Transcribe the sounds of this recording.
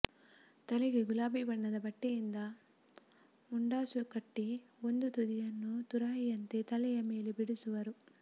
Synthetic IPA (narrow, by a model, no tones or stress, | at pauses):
t̪ɐliɡeɡulaːbibɐɳːɐd̪ɐbɐʈːijind̪ɐ | muɳɖaːsukɐʈːiond̪ut̪ud̪ijɐnːut̪uɾɐɦijɐnt̪et̪ɐlɛjɐmeːlebiɽusuʋɐɾu